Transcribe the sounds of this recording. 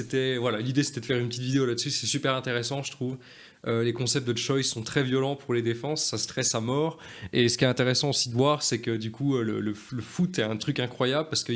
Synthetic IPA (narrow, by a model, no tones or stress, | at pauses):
set̪ɛvwalalid̪ese̥t̪ɛd̪əfɛʁynpət̪it̪vid̪eolad̪əsysɛsypɛʁɛ̃t̪eʁɛsɑ̃ʒə̥t̪χuv | ølekɔ̃sɛp̚t̪əʃɔjsɔ̃t̪χɛvjɔlɑ̃puʁled̪efɑ̃sːasə̥t̪χɛsamɔːʁesə̥kʲiɛɛ̃t̪eʁɛsɑ̃osid̪əvwaʁsɛkəd̪ykʰuølə̰lələfut̪ɛɛ̃t̪χykɛ̃kχwajabləpaʁsə̥kə